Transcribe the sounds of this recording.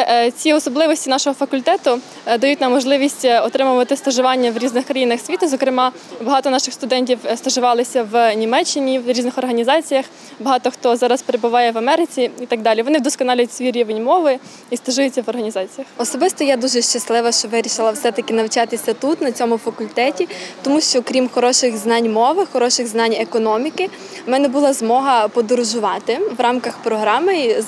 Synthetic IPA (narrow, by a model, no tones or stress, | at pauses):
t͡sʲiɔsɔblˠɪʋɔsʲtʲinɑʃɔɦɔfɐkʊlʲt̪ɛt̪ʊ | d̪ɐjutʲnɑmːɔʒlˠɪʋʲisʲtʲɔt̪ɾɪmʊʋɐt̪ɪst̪ɔʒʊʋɑnʲːɐʋɾʲiznɪxkɾɐjinɐxsʲʋʲit̪ʊzɔkɾɪmɑ | bɐɦɑt̪ɔnɑʃɪxst̪ʊd̪ɛnʲtʲiwst̪ɔʒʊʋɑlˠɪsʲɐʋnʲimɛt͡ʃːɪnʲiʋɾʲiznɪxɔrɦɐnʲizɑt͡sʲijɐx | bɐɦɑt̪ɔxt̪ɔzɑɾɐspeɾebʊʋɑjɛʋɐmɛɾɪt͡sʲiit̪ɑɡ̚d̪ɑlʲiʋɔnɪd̪ɔskɔnɑlʲʊtʲsʲʋʲiɾʲiʋenʲmɔʋɪ | ist̪ɐʒʊjʊt͡sʲːɐʋɔrɦɐnʲizɑt͡sʲijɐxɔsɔbɪst̪ɔjad̪uʒɛʃt͡ʃɐslˠɪʋɐʃt͡ʃɔʋɪɾʲiʃɪlˠɐwsɛt̪ɐkɪnɐwt͡ʃɑt̪ɪsʲɐt̪ut̪nɐt͡sʲɔmʊfɐkʊlʲt̪ɛtʲit̪ɔmuʃt͡ʃɔkɾʲimxɔɾɔʃɪɣznɑnʲmɔʋɪxɔɾɔʃɪɣznɑnʲekɔnɔmʲikɪ | mɛnɛbʊlˠɑzmɔɦɐpɔd̪ɔɾʊʒʊʋɑt̪ɪʋrɑmkɐxpɾɔɦɾɑmɪ